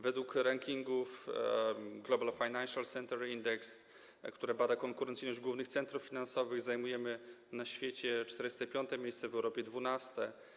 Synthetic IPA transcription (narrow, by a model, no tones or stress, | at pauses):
vɛd̪wukɾaŋkʲiŋɡuf | ɡlɔbalfajnanʂalsɛnt̪ɛɾind̪ɛks | kt̪uɾɛbad̪akɔŋkuɾɛnt̪sɘjnɔʑd͡ʑɡwuvnɘxt̪sɛnt̪ɾufːʲinansɔvɘɣzajmujɛmɘnaɕfʲjet͡ɕɛt͡ʂt̪ɛɾɘɪst̪ɛpʲjɔnt̪ɛmʲjejst̪sɛvɛwɾɔpʲjɛd̪vunast̪ɛ